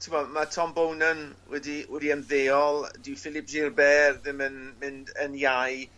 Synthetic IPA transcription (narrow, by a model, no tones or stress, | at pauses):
tʰɪmɔmatʰɔmbownənwɛdiwɛdiənðeːɔlˠdɪwfɪlˠɪp̚ʰʒeːrbɛːrðɪmənmɪndənjaj